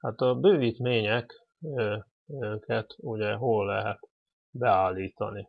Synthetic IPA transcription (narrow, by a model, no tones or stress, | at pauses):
hat̪ɒbøːviːt̪meːɲɛk | kʰɛt̪uɟɛɦo̞lːɛɦɛt̪ | bɛaːlːiːt̪ɒ̰ni